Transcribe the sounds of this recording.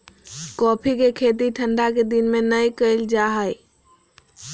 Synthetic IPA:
kɔpʰikekʰet̪̬iʈʰə̃ɳɖaked̪inmenəjkəɪld͡ʒaɦəj

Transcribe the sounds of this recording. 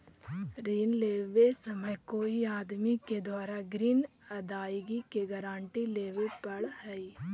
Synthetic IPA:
ɾiːnleːʋesəməjkoiaːd̪miked̪waːɾaɡɾiːn | ɐd̪aːjɡikeɡəɾãːɳʈileːʋepɐɽhɛi

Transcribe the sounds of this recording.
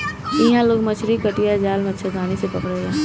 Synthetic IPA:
iɦãloːɡmɐt͡ʃʰɾikəʈijad͡ʒaːlmɐtːʃʰat̪ʰaːnesepɐkɽeɡãː

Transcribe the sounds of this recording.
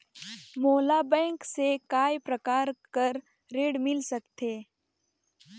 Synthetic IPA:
moːlabɛ̃ːŋksekaːjpɾɐkaːɾkəɾː | eːɽmɪlsɐkt̪ʰeː

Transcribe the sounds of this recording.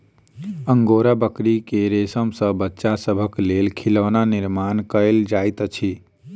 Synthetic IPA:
əŋɡoɾabəkɾikeɾesəmsə̃bətːʃasəbʱəklelkʰiləːnaniɾmankəɪld͡ʒajt̪t͡ʃʰi

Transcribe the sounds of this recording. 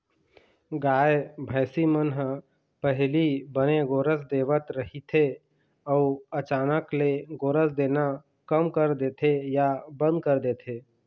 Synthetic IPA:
ɡaːebʱəːsimənɦ | pəɦlibəneɡoːɾəsd̪eːʋət̪ɾəɦit̪ʰe | ɔuət͡ʃaːnəkleɡoːɾəsd̪eːna | kəmkəɾd̪eːt̪ʰejabə̃nd̪̚kəɾd̪eːt̪ʰeː

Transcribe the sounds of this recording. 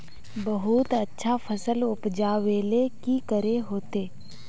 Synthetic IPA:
bəɦut̪ətːʃʰafʰəsəlʊpd͡ʒaːʋeːlekikəɾeɦoːt̪eː

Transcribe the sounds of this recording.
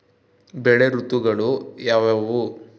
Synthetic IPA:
bɛɭeɾut̪uɡɐɭujaːʋaʋu

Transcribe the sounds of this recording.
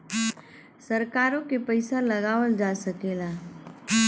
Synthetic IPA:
səɾkaːɾõkepəɪsalɐɡaːʋəld͡ʒaːsəkeːlaː

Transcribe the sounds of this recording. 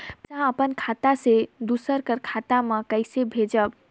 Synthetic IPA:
sãəpənkʰat̪ased̪usəɾkəɾkʰat̪aməkəjsebʱed͡ʒəb

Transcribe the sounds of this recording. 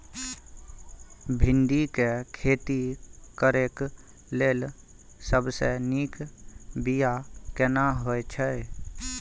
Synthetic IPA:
bʱɪnd̪ikekʰeːt̪ikəɾeːk | leːl | səbseniːkbijakenaɦoet͡ʃʰɛ

